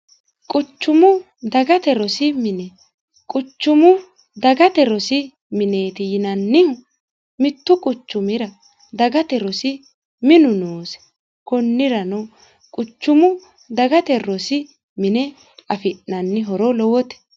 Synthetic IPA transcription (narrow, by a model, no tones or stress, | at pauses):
kʼʊt͡ʃːʊmʊ | d̪ɐɡɐt̪ɛɾɔsɪmɪnɛ | kʼʊt͡ʃːʊmʊ | d̪ɐɡɐt̪ɛɾɔsɪ | mɪne̞ːt̪ɪjɪnɐnːɪ | mɪt̪ːʊkʼʊt͡ʃːʊmɪɾɐ | d̪ɐɡɐt̪ɛɾɔsɪ | mɪnʊnoːsɛ̥ | kɔnːɪɾɐnɔ | kʼʊt͡ʃːʊmʊ | d̪ɐɡɐt̪ɛɾɔsɪ | mɪnɛ | ɐfɪʔːɐnːɪɦɔɾɔlɔwɔt̪ɛ̥